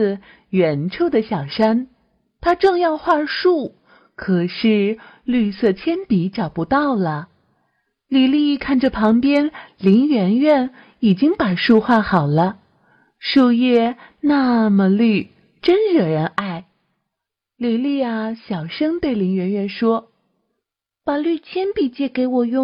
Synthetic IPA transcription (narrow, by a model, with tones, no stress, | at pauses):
ɥɛ˧˥nʈ͡ʂʰo˥˩ʊd̪ə˨ɕjɑ˨˩ʊʂa˥n | t̪ʰa˥ʈ͡ʂɤ˥˧ŋjɑ˥˧ʊxwa˥˧ʂu˥˩ | kʰɤ˨˩ʂɻ̩˥˧ | ly˥˧sɤ˥˩t̪ʰjɛ˥npi˧˥ʈ͡ʂɑ˨˩ʊpu˧˥t̪ɑ˥˩ʊlə˩ | li˨˩li˥˧kʰa˥˩nʈ͡ʂə˨˩pʰɑ˧˥ŋpjɛ˥nli˧˥ŋɥɛ˧˥nɥɛ˥˩n | i˨˩t͡ɕi˥ŋpa˨˩ʂu˥˧xwa˥˩xɑ˨˩ʊlə˦ | ʂo˥˧ʊjɛ˥˧na˥˧mə˨˩ly˥˩ | ʈ͡ʂə˥nɻə˨˩ɻə˧˥nʔa˥˩ɪ | li˨˩li˥˧a˧˩ɕjɑ˨˩ʊʂɤ˥ŋt̪we˥˩ɪli˧˥ŋɥɛ˧˥nɥɛ˥˧nʂwɔ˥ | pa˨˩ly˥˩t͡ɕʰjɛ˥npi˨˩t͡ɕjɛ˥˩ke˧˥ɪwɔ˨˩jʊ˥˧